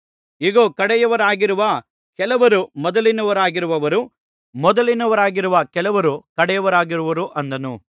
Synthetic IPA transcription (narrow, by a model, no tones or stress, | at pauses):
iɡoːkɐɽɛjɐʋɐɾaːɡiɾuʋɐ | kɛlɐʋɐɾumɔd̪ɐlinɐʋɐɾaːɡiɾuʋɐʋɐɾu | mɔd̪ɐlinɐʋɐɾaːɡiɾuʋɐkɛlɐʋɐɾukɐɽɛjɐʋɐɾaːɡiɾuʋɐɾuʔɐnd̪ɐnu